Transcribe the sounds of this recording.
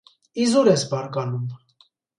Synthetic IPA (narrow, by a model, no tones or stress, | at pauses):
izuɾɛsbɑɾkɑnum